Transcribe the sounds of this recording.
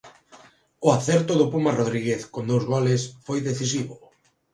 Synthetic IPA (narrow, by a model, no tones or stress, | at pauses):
ʊaθɛɾt̪ʊðʊpumaroðɾiɣeθkond̪owzɣɔlesfojðeθis̬iβʊ